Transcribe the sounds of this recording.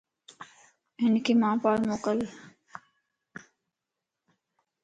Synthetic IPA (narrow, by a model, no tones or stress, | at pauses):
ɦɪnkʰiːmãːpaːlmoːkəl